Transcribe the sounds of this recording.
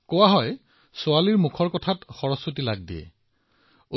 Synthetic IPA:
kɔwaɦɔj | sʊaliɹmukʰɔɹkɔtʰatxɔɹɔsotilaɡ̚diɛ̰ | o

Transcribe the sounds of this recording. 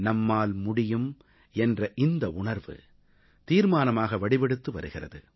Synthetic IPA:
nɐmːaːlmʊɽɪjɯm | ɛndrɐʔɪnd̪ɐʔʊɳɐɾʋɯ̰ | t̪iːɾmaːnɐmaːɣɐʋɐɽɪʋɛɽɯt̪ːɯʋɐ̰ɾɯɣɪrɐ̰ðɯ̰

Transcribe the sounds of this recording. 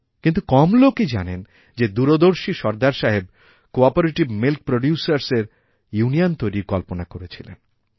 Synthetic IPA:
kint̪ukɔmloked͡ʑanen | d͡ʑed̪uɾod̪oɾʃiʃɔɾd̪aɾʃaɦeb | koɔpoɾeʈibmilk̚pɾoɖjusaɾseɾ | juniont̪ojɾiɾkɔlponakoɾet͡ɕʰilḛn

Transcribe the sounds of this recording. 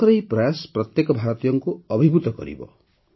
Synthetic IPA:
ɾejpɾajaspɾɔt̪jekɔbʱaɾɔt̪ijɔŋkuɔbʱibut̪ɔkɔ̰ɾḭbɔ̰

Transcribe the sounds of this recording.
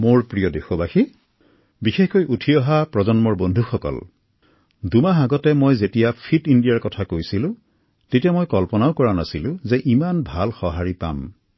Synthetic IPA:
moɹpɹijɔdexɔbaxi | bixexkojʔutʰiɔɦapɹɔzɔnmɔɹbondʱuxɔkɔ̰l | dumaxaɡɔtɛmojzetijapʰitindijaɹkɔtʰakojsilʊ̃ | tetijamɔjkɔlpɔnaʊkɔɹanasilʊ̃zɛʔimanbʱalxɔɦaɹipa̰m

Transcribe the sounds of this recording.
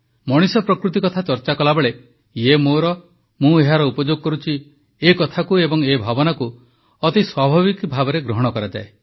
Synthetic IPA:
mɔɽ̃isɔpɾɔkɾut̪̬ikɔt̪ʰat͡ʃɔɾt͡ʃakɔlabɔɭe | jemoɾɔ | mũeɦaɾɔupɔd͡ʒoɡɔkɔɾut͡ʃʰi | ekɔt̪ʰakuebɔŋebʱabɔnaku | ɔt̪iswabʱaβikbʱabɔɾeɡɾɔɦɔɽ̃ɔkɔɾad͡ʒa̰e

